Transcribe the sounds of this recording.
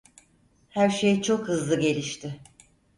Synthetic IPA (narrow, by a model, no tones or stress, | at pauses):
hæɾʃejt͡ʃʰo̞khɯzlˠɯɟe̞lʲiʃt̪ʰɪ